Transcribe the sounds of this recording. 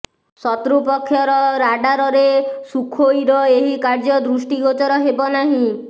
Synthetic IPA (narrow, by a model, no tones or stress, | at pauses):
sɔt̪ɾupɔkʰːjɔɾɔɾaɖaɾɔɾesukʰojɾɔeɦikaɾd͡ʒɔd̪ɾusʈiɡɔt͡ʃɔɾɔɦebɔnaɦĩ